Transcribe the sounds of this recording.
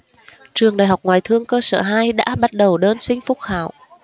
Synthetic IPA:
t͡ɕɨ˨˩əŋɗaː˨˩jɦa˨˩wk͡p̚ŋwaː˨˩jt̪ʰɨ˧əŋkəː˧səː˧˩ɦaː˧jɗa̰ː˧˥ɓa˦˥t̚ɗə˨˩wɗəː˧nsï˧ŋ̟fʊ˦˥t̚xaː˧˩w

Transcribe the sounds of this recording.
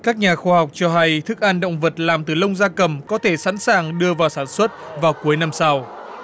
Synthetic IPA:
kaː˦˥k̚ɲaː˨˩xwaː˧ha˨˩wk͡p̚t͡ɕɔ˧ɦa˧jt̪ʰɨ˦˥k̚ʔaː˧nɗə̰˧˨wŋ͡mvə˨˩t̚laː˨˩mt̪ɨ˨˩lə˧wŋ͡mzaː˧kə˨˩mkɔ˨˦t̪ʰe˧˩sa̰˧˥nsaː˨˩ŋɗɨ˧əvaː˨˩wsaː˧˩nswə˦˥t̚vaː˨˩wku˨˦əjna˧msa˧w

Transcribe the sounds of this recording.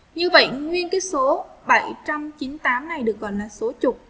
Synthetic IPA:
ɲɨ˧və̰˧˨jŋwi˧ənkaː˨˦jso˨˦ɓə˧˩jt͡ɕa˧mt͡ɕi˨˦nt̪aː˨˦mna˨˩jɗɨ˨˩ək̚ːkɔ̰˧˨laː˨˩so˨˦t͡ɕʊ˨˩k͡p̚

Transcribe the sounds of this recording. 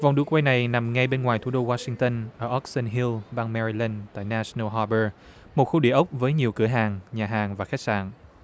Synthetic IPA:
va˨˩wŋ͡mɗu˧˩˦kwa˧jna˨˩jna˨˩mŋa˧jɓe˧nŋwaː˨˩jt̪ʰu˧˩˥ɗo˧waː˧sï˧ŋt̪ə˧nʔəː˧˩ʔɔ˦˥t̚sə˧nɦi˧lɓaː˧ŋmɛ˧ɹi˧lɛ˧nt̪a̰ː˧˨jnaː˧snə˧ɦɔ˧ɓəː˧ | mo˨t̚xu˧ɗi˧əʔə˦˥wk͡p̚vəː˨˦jɲi˨˩əwkɨ˧˩əɦaː˨˩ŋɲaː˨˩ɦaː˨˩ŋvaː˨˩xa˦˥k̚sa̰ː˧˨n

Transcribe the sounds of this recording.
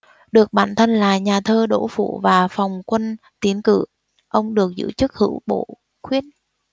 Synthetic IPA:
ɗɨ˨˩ək̚ɓaː˧˨nt̪ʰə˧nlaː˨˩ɲaː˨˩t̪ʰəː˧ɗo̰˧˥˩fṵ˧˨vaː˨˩fɔ˨˩wŋ͡mkwə˧n | t̪i˨˦ənkɨ̰˧˩ | ʔə˧wŋ͡mɗɨ˨˩ək̚zɨ̰˧˥t͡ɕɨ˦˥k̚hɨ̰˧˥wɓo̰˧˨ | xwi˦˥ət̚

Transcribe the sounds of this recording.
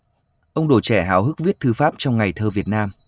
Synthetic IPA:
ʔə˧wŋ͡mɗo˧˩t͡ɕɛ˧˩ɦaː˨˦wɦɨ˦˥k̚vi˦˥ət̚t̪ʰɨ˧faː˦˥p̚t͡ɕɔ˧wŋ͡mŋa˨˩jt̪ʰəː˧vi˨˩ət̚naː˧m

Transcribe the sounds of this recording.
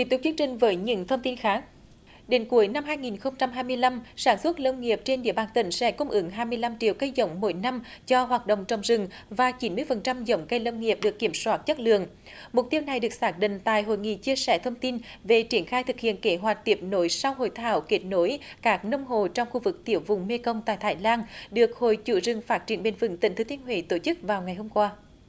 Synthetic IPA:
ki˨˩t̪ʊ˨˩t͡ɕi˧əŋt͡ɕï˨˩ŋ̟vəː˨˦jɲɨ̰˧˥ŋt̪ʰə˧wŋ͡mt̪i˧nxaː˦˥k̚ | ɗe˨˦nku˨˦əjna˧mɦaː˧jŋi˨˩nxə˧wŋ͡mt͡ɕa˧mɦaː˧jmɨ˧əjla˧msaː˧˩nswə˦˥t̚lə˧wŋi˨˩əp̚t͡ɕe˧nɗḭ˧˨əɓaː˨˩nt̪ï˧˩ŋ̟sɛ̰˧˩˥kʊ˧ŋ͡mʔɨ˨˦ŋɦaː˧jmɨ˧əjla˧mt͡ɕḭ˧˨əwkə˧jzə̰˧˦wŋ͡mmo̰˧˦jna˧mt͡ɕɔ˧ɦwaː˨˩t̚ɗo̰˧˨wŋ͡mt͡ɕə˧˨˩wŋ͡mzɨ˨˩ŋvaː˨˩t͡ɕi˨˦nmɨ˧əjfə˨˩nt͡ɕa˧mzə˨˦wŋ͡mkə˧jlə˧wŋi˨˩əp̚ɗɨ˨˩əkːi˧˩əmswaː˦˥t̚t͡ɕə˦˥t̚lɨ̰˧˨əŋ | mʊ˨˩t̪i˧əwna˨˩jɗɨ˨˩ək̚saː˦˥k̚ɗḭ˧˨ŋ̟t̪a̰ː˧˨jɦo̰˧˨jŋḭ˧˨t͡ɕi˧əsɛ̰˧˩t̪ʰə˧wŋ͡mt̪i˧nve˨˩t͡ɕi˧˩ənxaː˧jt̪ʰɨ˨˩k̚hḭ˧˨ənke˦ɦwa˨˩tk̚t̪i˨˩əp̚no˨˦jsa˧wɦo̰˧˨jt̪ʰaː˧˩wke˦˥t̚no˨˦jkaː˦˥k̚nə˧wŋ͡mɦo˨t͡ɕɔ˧wŋ͡mxu˧vɨ˨˩k̚t̪i˧˩əwvʊ˨˩ŋ͡mme˧kə˧wŋ͡mt̪a̰ː˧˨jt̪ʰaː˧˩jlaː˧nɗɨ˨˩ək̚ho̰˧˨jt͡ɕṵ˧˨zɨ˨˩ŋfaː˦˥t̚t͡ɕi˧˩ənɓḛ˧˩nvɨ̰˧˩ŋt̪ï˧˩ŋt̪ʰːt̪ʰi˧ənɦwḭ˧˨˦t̪o˧˩t͡ɕɨ˦˥k̚vaː˨˩wŋa˨˩jhɦo˧mkwaː˧

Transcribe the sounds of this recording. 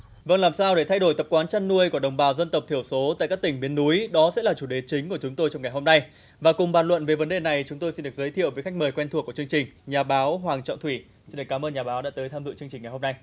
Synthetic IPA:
və̰˧˨nlaː˨˩msaː˧wɗe˧˩t̪ʰa˧jɗo˧˩jt̪ə˨˩p̚kwaː˨˦nt͡ɕa˧nːu˧əjku˧˩əɗə˨˩wŋ͡mɓaː˨˦wzə˧nt̪ə˨˩p̚t̪ʰi˧˩əwso˨˦t̪a̰ː˧˨jkaː˦˥k̚t̪ï˧˩ŋ̟ɓi˨˦ənːu˨˦jɗɔ˨˦sɛ̰˧˥laː˨˩t͡ɕu˧˩ɗe˨˩t͡ɕï˨˦ŋ̟ku˧˩ət͡ɕʊ˨˦ŋ͡mt̪o˧jt͡ɕɔ˧wŋ͡mŋa˨˩jɦo˧mna˧j | vaː˨˩kʊ˨˩ŋ͡mɓaː˨˩nlwə̰˧˨nve˨˩və˨˦nɗe˨˩na˨˩jt͡ɕʊ˨˦ŋ͡mt̪o˧jsi˧nɗɨ˨˩k̚zəː˨˦t̪ʰḭ˧ə˨wvə˨˦jxa˦˥jk̚məː˨˩jkwɛ˧nʰu˨˩əku˧˩t͡ɕɨ˧əŋt͡ɕï˨˩ŋ̟ɲaː˨˩ɓaː˨˦wɦwaː˨˩ŋt͡ɕɔ̰˧˨t̪ʰwi˧˩ | si˧nɗɨ˨˩kaː˨˦mʔəː˧nɲaː˨˩ɓaː˨˦wɗa̰ː˧˥t̪əː˨˦jt̪ʰaː˧zɨ̰˧˨t͡ɕɨ˧əŋt͡ɕï̟ː˨˩a˨˩ho˧na˧j

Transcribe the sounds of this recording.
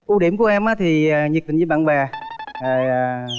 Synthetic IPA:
ʔu˧ɗi˨˧˦əmku˧˩əʔɛ˧mʔaː˨˦t̪ʰi˨˩ə˨˩ɲ˨˩k̪̚ï˨˩ŋɲɨː˨˧˦ɓa̰ː˧˨nvaː˨˩zo˨˩jː

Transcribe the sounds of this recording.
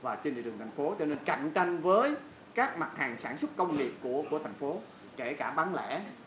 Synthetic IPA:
vaː˨˩t͡ɕe˧nli˨ɗɨ˨˩ŋt̪ʰa˨˩ŋ̟fo˨˦t͡ɕɔ˧ne˧nka̰˧˨jŋ̟t͡ɕa˧jŋ̟vəː˨˦j | kaː˦˥k̚ma˨˩t̚haː˨˩ŋsaː˧˩nswə˦˥t̚kə˧wŋ͡mŋi˨˩əp̚ku˧˩əku˧˩ət̪ʰa˨˩jŋ̟fo˨˦ | ke˧˩kaː˧˩ɓaː˨˦nlɛ̰˧˥

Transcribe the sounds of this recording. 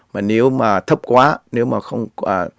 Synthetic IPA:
maː˨˩ne˨˦wmaː˨˩t̪ʰə˦˥p̚kwaː˨˦ne˨˦wmaː˨˩xə˧wŋ͡mə˨˩

